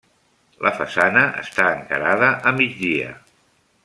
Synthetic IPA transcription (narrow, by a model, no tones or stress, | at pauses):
lʔəfəsanəʔə̰st̪aəŋkəɾaðəʔəmid͡zd̪iə̰